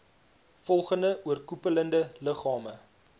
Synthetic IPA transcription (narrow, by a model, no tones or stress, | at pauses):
fɔlˠχəndəʔuərkupələndələχɑːmə